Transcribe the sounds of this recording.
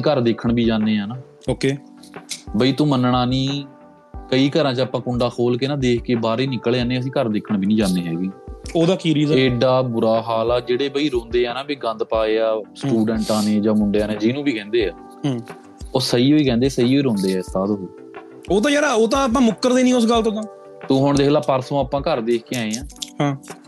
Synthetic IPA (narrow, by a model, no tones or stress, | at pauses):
ĩːkəɾd̪eːkʰəɳbʱiːd͡ʒaːndeːaːnaː | oːkeː | bəiːt̪õːmənɳaːnĩː | kəiːkəɾãːt͡ʃaːpãːkʊɳɖaːkʰoːlkeːnaːd̪eːkʰkeːbaːɾeːnɪkːəleãːneːəs̬ĩːkəɾd̪eːkʰəɳbʱiːnĩːd͡ʒãːnːeːɦɛːɡiːoːd̪aːkiːɾiːzeːɖaːbʊɾaːɦaːlaːd͡ʒeːɽeːbəiːɾõːnd̪eːɦɛːnaːbiːɡə̃nd̪paːeːaːsʈuːɖəɳʈãːneːd͡ʒãːmʊɳɖejãːnẽːd͡ʒinũːbʱiːkɛ̃ːnd̪eːaː | ɦː | oːsəiːoːiːkɛ̃ːnd̪eːsəiːoiːɾõːnd̪eːɦɛːst̪aːd̪ɦoː | oːt̪̬ãːd͡ʒɛːɾaːoːt̪ãːap̬ãːmʊkːəɾd̪eːnĩːʊsɡəlt̪õːt̪ãː | t̪ũːɦʊɳd̪eːklaːpəɾsõːaːpãːkəɾd̪eːkʰkeːãːeːãːɦãː